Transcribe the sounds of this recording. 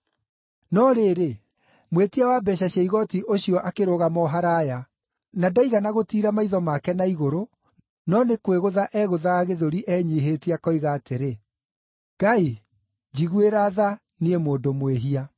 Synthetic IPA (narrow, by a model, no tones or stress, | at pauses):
nɔɾeːɾe | mwetiawabɛɕaɕjaiɣɔtiʔoɕiɔʔakeɾoɣamɔɦaɾaja | nadaiɣanaɣotiːɾamaiðɔmakɛnaiɣoɾo | nɔnekweɣoðaʔɛɣoðaːɣeðoɾiʔɛɲiɦeːtiakɔiɣaːteɾe | ɡ̥ai | d͡ʑiɣueɾaða | niemoːndomweɦia